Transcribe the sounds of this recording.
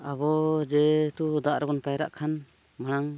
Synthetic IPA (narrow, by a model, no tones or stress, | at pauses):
abɔd͡ʒɛt̪ud̪aʔɾɛbɔnpajɾa̰ʔkʰan | maɽ̃aŋ